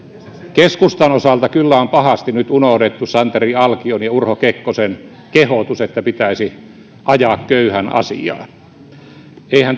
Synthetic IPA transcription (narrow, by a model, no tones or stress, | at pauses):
keskust̪ɑnosɑlt̪ɑkylːæompɑhɑst̪inyt̪unohdet̪ːusɑnt̪eriɑlkionjɑurhokekːosen | kehot̪uset̪ːæpit̪æisi | ʔɑjɑːkkøyhænɑ̰sḭɑ̰ː | eihæn